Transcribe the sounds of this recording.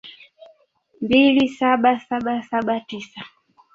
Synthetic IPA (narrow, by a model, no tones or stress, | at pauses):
mbilisaɓasaɓasaɓatisa